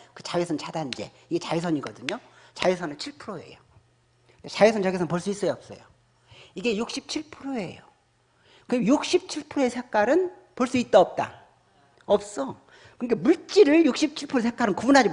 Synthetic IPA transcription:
kɯt͡ɕajisʰʌnt͡ɕʰadannd͡ʑe̞̰ | iɡe̞t͡ɕajisʰʌɲiɡʌdɯɲot͡ɕaisʰʌnɯnt͡ɕʰiɭpʰɯɾoe̞̰jo | kat͡ɕajisʰʌnt͡ɕaɡisʰʌnpoɭs͈uis͈ʌjʌp̚s͈ʌ̰jo̰ | iɡe̞juk̚ɕ͈ip̚t͡ɕʰiɭpʰɯɾoe̞̰jo | kɯjuk̚ɕ͈ip̚t͡ɕʰiɭpʰɯɾoesʰek͈aɾɯn | poɭs͈uit̚t͈ʌʌp̚t͈a̰ | ʌp̚s͈ʌ | kɯŋɡemuɭt͡ɕ͈iɾɯɭjuk̚ɕ͈ip̚t͡ɕʰiɭpʰɯɾosʰek͈aɾɯnkubunɦad͡ʑi

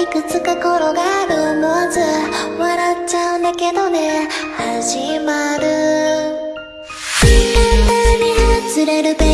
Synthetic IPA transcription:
ikɯ̟t͡sɨkako̞ɾo̞ɡaːɾɯmozɨaβaɾatt͡ɕaɯ̟̃nd̪ake̞d̪o̞ne̞haʑimaɾɯ | iãnd̪aɲihat͡sɨɾe̞ɾɯ̟be

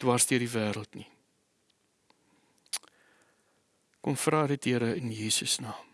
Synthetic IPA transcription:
d̥wɐrsdiərdivæːɾəlˠtni | kɔmfrɑːdətiəɾəənjiːsəsnɑː

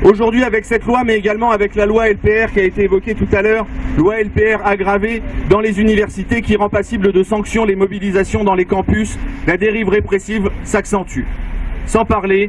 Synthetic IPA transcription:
oʒuʁd̪ɥiavɛksɛt̪lwamɛeɡalmɑ̃avɛklalwaɛlpeɛʁkʲiaet̪eːvɔkʲet̪ut̪alœːʁlwaɛlpeɛʁaɡʁaved̪ɑ̃lezynivɛʁsit̪ekʲiʁɑ̃pasibləd̪əsɑ̃ksjɔ̃lemɔbilizasjɔ̃d̪ɑ̃lekɑ̃pyslad̪eʁivʁepχesivsaksɑ̃t̪ysɑ̃paʁle

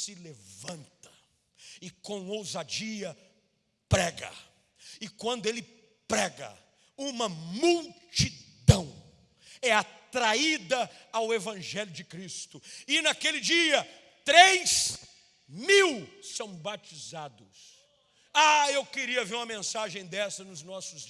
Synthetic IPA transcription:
sɪlevɐ̃nt̪ɐ̥ | ɪkõw̃owzad͡ʒiɐ | pɾɛɡɐ̰ | ɪkwɐ̃nd̪ʊelɪ | pɾɛɡɐ̰ | ũmɐmuwt͡ʃid̪ɐ̃w̃ | ɛat̪ɾaid̪ɐawevɐ̃ʒɛlʲjʊd͡ʒɪkɾist̪ʊɪnakelɪd͡ʒiɐ | t̪ɾejs | miwsɐ̃w̃bat͡ʃizad̪ʊs | aewkɪɾiɐveɾũmɐmẽsaʒẽj̃d̪ɛsɐnʊznɔsʊz

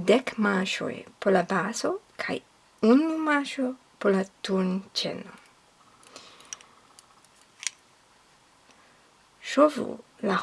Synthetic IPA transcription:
dekmaʃo̰jpolabasokʰa̰j | unumaʃo | polatunt͡ʃḛno | ʃovṵla

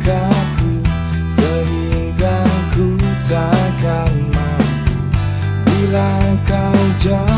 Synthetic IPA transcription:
kaku | səɾiŋɡakud͡ʒakamat̪u | bilakawd͡ʒa

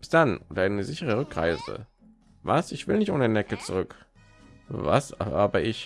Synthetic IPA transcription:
b̥ɪ̥sd̥anʔoːdɐanəzɪçəʁ̞əʁ̞ʏkʁ̥a̰ɪzə̰ | va̰sɪçv̥ɪlnɪçtʔo̰ːnənɛkət͡suʁʏk | va̰saːbəɪç

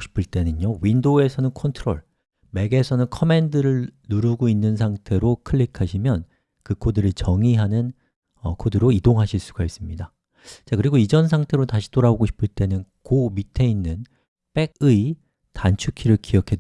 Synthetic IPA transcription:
ɕi̥pʰɯɭt͈e̞nɯɲowindoe̞sʰʌnɯnkʰʌntʰɯɾo̰ɭ | me̞ɡe̞sʰʌnɯnkʰʌme̞ndɯɾɯɭnuɾuɡoinːɯns̬ʰaŋtʰe̞ɾokʰɯɭːikʰaɕʰimjʌn | kɯkʰodɯɾit͡ɕʌŋiɦanɯn | ʌkʰodɯɾoidoŋɦaɕʰiɭs͈uɡais͈ɯmɲida | t͡ɕakɯɾiɡoid͡ʑʌns̬ʰaŋtʰe̞ɾotaɕʰi̥t͈oɾaboɡoɕʰi̥pʰɯɭt͈e̞nɯnkomitʰe̞inːɯn | p͈e̞ɡ̚ɯi | tant͡ɕʰukʰiɾɯɭkiʌkʰe̞d

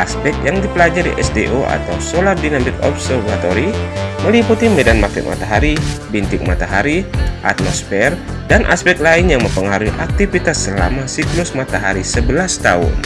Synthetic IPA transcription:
ʔaspɛk̚t̪̚jaŋdipəlad͡ʒaɾḭʔɛsdeʔoa̰t̪awsolardinamɪkɔ̰psərvat̪oɾiməliput̪imɛdanmakɪ̰ʔma̰t̪aɦaɾibint̪ɪk̚mat̪aɦaɾiʔa̰t̪̚mɔsfɛrdanʔa̰spɛk̚t̪̚laɪnjaŋməmpəŋaɾuiʔak̚t̪ifit̪asːəla̰masiklʊsmat̪aɦaɾisəbəlast̪aʊ̰n

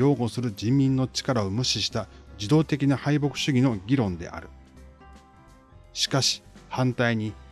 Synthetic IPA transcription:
o̞ːɡo̞sɨɾɯ̟d͡ʑĩmːʲĩnːo̞t͡ɕi̥kaɾao̞mɯ̟ɕiɕi̥t̪ad͡ʑid̪o̞ːt̪e̞kʲinahaibo̞kɯ̟̥ɕɨɡʲino̞ɡʲiɾõ̞nd̪e̞̰ʔa̰ɾɯ̟ | ɕi̥kaɕi̥hãnt̪aiɲ̟i

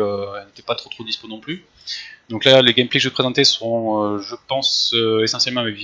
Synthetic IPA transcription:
øɛlet̪ɛ̥pat̪χot̪χod̪isponɔ̃ply | d̪ɔ̃klaleɡɛmplekəʒəut̪əpχezɑ̃t̪esəʁɔ̃øʒəpɑ̃søesɑ̃sjɛlmɑ̃mevi

